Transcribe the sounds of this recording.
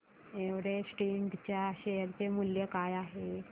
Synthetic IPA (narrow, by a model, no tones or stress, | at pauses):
eʋɾesʈeɳʈt͡ɕjaɕejəɾt͡semuljəkajaɦe